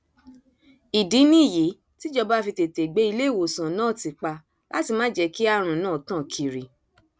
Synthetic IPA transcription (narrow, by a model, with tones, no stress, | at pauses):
i˨dĩ˨˦nĩ˦˨ji˨˦ | ti˦d͡ʒɔ˧ba˦fi˧te˨te˨ɡ͡be˨˦i˧le˦˨wo˨sã˨nãː˦˨ti˨˧k͡pa˧ | la̰˦ti˧mã˦d͡ʒɛ˧ki˦a˧ɾ̃ũ˨˦nãː˦˨tã˦˨kʰi˨ɾi˨